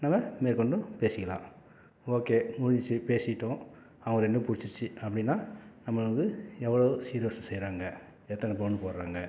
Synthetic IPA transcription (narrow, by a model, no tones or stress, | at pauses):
nɐmːɐmeːɾkɔɳɖɯpeːsɪkːɐlã̰ː | oːkeːmʊɻɪɲɪt͡ʃːɯpeːsɪʈːʊ̃ | ɐʋɐŋɡɐɛnːdɯpʊɽɪt͡ʃːɯt͡ʃːɯɐpːɐɽɪnːaːnɐmːɐɭɐɡɯɛʋːɐɭoːsiːɾɪjoːsɐsɛjɾaːŋɡɐ | ɛt̪ːɐnɐp̬oːɳːɯpoːɾɾaːŋɡɐ